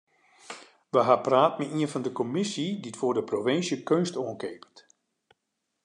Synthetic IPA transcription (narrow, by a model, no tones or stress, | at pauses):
ʋəɦapraːtmɛiənfɔndəkɔmɪsiditfoːrdəprovɪnsjəkønstoənkeːpət